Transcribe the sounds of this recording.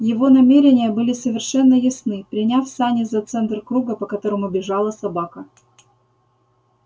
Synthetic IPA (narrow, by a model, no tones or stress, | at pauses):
jɪvo̞nɐmʲeɾʲɪnʲɪjəbɨlʲɪsəvʲɪrʂɛnːəjɪsnɨpɾʲɪnʲafsanʲɪzɐt̪sɛnt̪rkɾuɡəpəkɐt̪o̞ɾəmʊbʲɪʐɑlˠəsɐbakə